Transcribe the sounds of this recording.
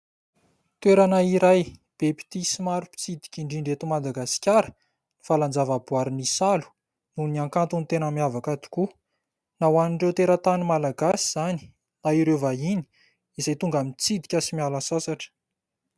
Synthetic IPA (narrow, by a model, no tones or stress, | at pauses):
t̪weɾanaiɾajb̥epi̥t̪isimaɾupi̥t͡sid̪i̥kʲiɳɖ͡ʐiɳɖ͡ʐet̪umad̪aɡasi̥kʲaɾə | ni̥faland͡zavabuaɾinisalu̥ | nuniaŋkant̪unit̪enəmiavakad̪u̥ku | nawaniɳɖ͡ʐewt̪eɾat̪animalaɡasiz̥ani̥ | naiɾevaini̥ | izajt̪uŋɡamit͡sid̪i̥kʲasimialasasaʈ͡ʂə̥